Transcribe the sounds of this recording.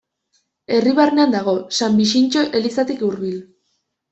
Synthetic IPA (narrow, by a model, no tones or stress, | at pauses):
e̞riβarneand̪aɣ̞o̞sambiʃ̬int͡ʃo̞ʔe̞lisat̪ikuɾβil